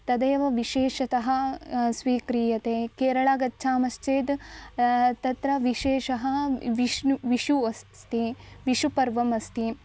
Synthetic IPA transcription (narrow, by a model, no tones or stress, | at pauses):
t̪ɐd̪eːʋɐʋiʃeːʃɐt̪ɐɦɐ̆sʋiːkɾiːjɐt̪eːkeːɾɐɭaːɡɐtːʃʰaːmɐst͡ʃeːd̪ | t̪ɐt̪ɾɐʋiʃeːʃɐɦɐʋiʃʋiʃuɐst̪iʋiʃupɐɾʋɐmɐst̪i